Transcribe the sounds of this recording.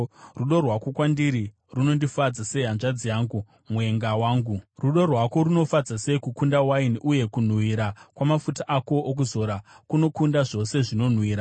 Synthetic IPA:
ruɗo̞rwako̞kwandiɾi | runo̞ndifad͡zase̞ɦanʐad͡zijaːŋɡu | mwe̞ŋɡawaːŋɡuruɗo̞rwako̞ɾuno̞fad͡zase̞ikukundawainʔuje̞kun̤wiɾakwamafutaʔako̞ːk̬uzo̞ɾakuno̞kundaʐo̞se̞ʐino̞n̤wiːɾa

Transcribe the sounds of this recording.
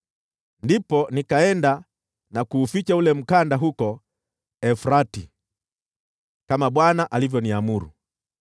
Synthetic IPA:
ndipɔnikaɛnda | nakuːfit͡ʃaulɛm̩kandaɦukɔ | ɛfɾati | kamaɓwanaʔalivjɔniamuɾṵ

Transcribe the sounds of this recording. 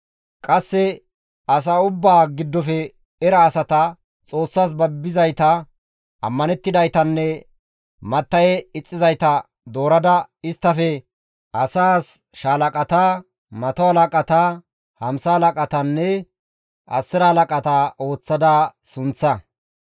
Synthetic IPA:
kʼɐsːɛ | ɐs̬aʊbːaːɡɪd̪ːɔfɛ | ɛɾɐːsɐt̪ɐ | t͡sʼo̞ːsːaːs̬bɐbːɪzɐjt̪ɐ | ɐ̰mːɐnɛt̪ːɪd̪ɐjt̪ɐnːɛ | mɐt̪ːɐjɛɪt͡sʼːɪzɐjt̪ɐ | d̪o̞ːɾɐd̪ɐɪst̪ːɐfɛ | ɐsaːs | ʃaːlɐkʼɐt̪aː | mɐt̪ɔhɐlɐkʼɐt̪a | hɐmsɐhɐlɐkʼɐt̪ɐnːɛ | ʔɐ̰sːɪɾɐhɐlɐkʼɐt̪aʔo̞ːt͡sːɐd̪aːsʊnt͡sːɐ

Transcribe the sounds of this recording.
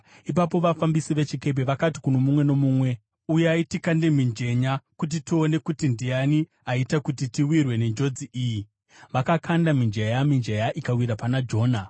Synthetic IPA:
ip̬apo̞ʋafambisiʋe̞t͡ʃike̞p̬eʋakati̥kuno̞mumwe̞no̞muːmwe̞ | ujaitikande̞mind͡ʒe̞ɲakut̬itio̞ne̞kutindijani | aitakutitiwirwe̞ne̞nd͡ʒo̞d͡ziʔiji | ʋakakʰandamind͡ʒejamind͡ʒejaʔikawiɾapanad͡ʒo̞ːna

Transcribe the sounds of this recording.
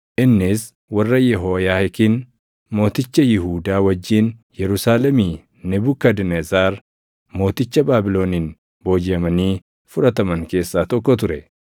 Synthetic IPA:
ʔɪnːɪs | wɐrːɐjɛɦoːjaːhɪkɪn | mo̞ːt̪ɪt͡ʃːɐjɪɦuːd̪aːwɐd͡ʒːiːnjɛɾʊsaːlɛmi | nɛbʊkːɐd̪nezaːɾ | mo̞ːt̪ɪt͡ʃːɐbaːbɪlo̞ːniːn | bo̞ːd͡ʒɪɐmɐniː | fʊɾɐt̪ɐmɐŋke̞ːsːaːt̪ɔkːɔt̪̬ʊɾɛ

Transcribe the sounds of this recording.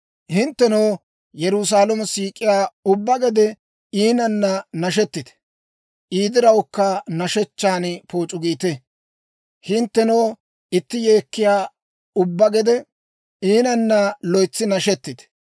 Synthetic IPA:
hɪnt̪ːɛnowː | jɛɾʊs̬aːlɛmɐsiːkʼːɪjaːʊbːɐɡɛd̪ɛ | iːnɐnːɐnɐʃ̬ɛt̪ːɪd̪ɛ̥ | ʔiːd̪ɪɾɐwʊkːɐnɐʃɛt͡ʃːaːnpo̞ːt͡ʃʼʊɡiːt̪ɛ | hɪnt̪ːɛnow | ɪt̪ːɪjeːkːɪjaː | ʊbːɐɡɛd̪ɛ | iːnɐnːɐlɔjt͡sːɪnɐʃɛt̪ːɪd̪ɛ̥

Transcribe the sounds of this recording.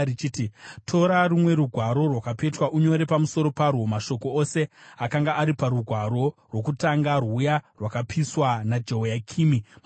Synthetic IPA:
it͡ʃititʰo̞ɾarumwe̞ɾuɡʱwaɾo̞rwakape̞twaʔuɲo̞ɾe̞pamuso̞ɾo̞parwo̞maʃo̞koose̞akaŋɡaːɾipaɾuɡʱwaɾo̞rwo̞kutaŋɡarwujarwakapiswanad͡ʒeɦojakʰiːmi

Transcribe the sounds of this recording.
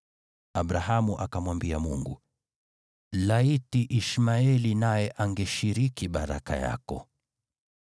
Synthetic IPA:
aɓɾaɦamuʔakamwambiamṵŋɡṵ | laitiʔiʃmaɛlinajɛʔaŋɡɛʃiɾikiɓaɾa̰ka̰ja̰kɔ̰

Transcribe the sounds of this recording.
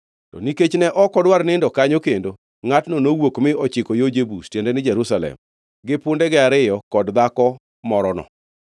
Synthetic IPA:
tɔ̰niket͡ʃnɛʔɔkɔdwaɾnɪndɔkaɲokendo | ŋatnonowokmɪʔɔt͡ʃɪkojod͡ʒebustjendɛnɪd͡ʒɛɾusalɛ̰m | ɡɪpʊndɛɡɪaɾɪjɔkɔdd̪akɔ | mɔɾɔnɔ̰

